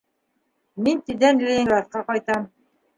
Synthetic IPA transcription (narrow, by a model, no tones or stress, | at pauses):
mint̪id̪ænlʲelˠɑt̪̚qɑqɑjt̪ɑm